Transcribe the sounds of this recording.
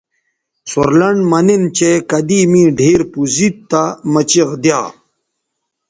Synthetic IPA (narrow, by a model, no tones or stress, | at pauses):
soɾlɐɳɖmɐnint͡ɕekɐd̪imĩːɖʱiːɾpuzit̪t̪ːamɐt͡ɕiɣd̪jaː